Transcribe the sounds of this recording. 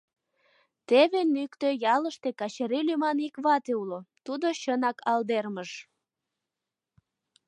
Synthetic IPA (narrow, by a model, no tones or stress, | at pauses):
t̪eβenykt̪øjɑləʃt̪ekɑɕeɾilymɑnikβɑt̪eulot̪ud̪oɕənɑkʰɑld̪erməʃ